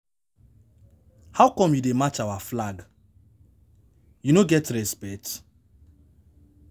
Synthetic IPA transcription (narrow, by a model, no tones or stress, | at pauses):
hawkɔ̃mjudemat͡ʃawaflaɡ | junoɡɛtɹɛspɛt